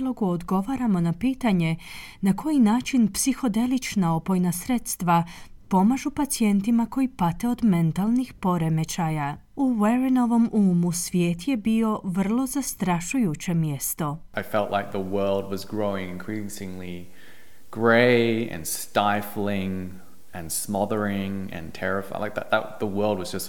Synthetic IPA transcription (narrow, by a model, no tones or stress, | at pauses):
lo̞ɡuod̪ɡo̞ʋaɾamo̞napiːt̪aɲe̞ | nakʰo̞jinaːt͡ʃinpsixo̞d̪e̞lit͡ʃnaopo̞jnasɾe̞t̪st̪ʋapo̞maʒupat̪sie̞nt̪imako̞jipat̪e̞o̞d̪me̞nt̪alˠnixpo̞ɾe̞me̞t͡ʃaja | uweɾino̞ʋo̞muːmusʋje̞ːt̪je̞bio̞ʋr̩lˠo̞zast̪ɾaʃujut͡ɕe̞mjest̪o̞ʔaɪfɛlˠʔlaɪk̚ðəwɜ˞lˠd̚wʌzɡɹoʊɪ̃ŋɪ̃nkʰɹ̥isɪ̃ŋli | ɡ̥ɹeɪɨ̰̃nstaɪfl̩ɪ̃ŋ | ɨ̃nsmɑðə˞ɪ̃ŋɨ̰̃ntʰɛɹɨfaɪlaɪk̚ðæ̰t̪̚ðə̰ðəwɜ˞lˠd̚wʌzd͡ʒʌs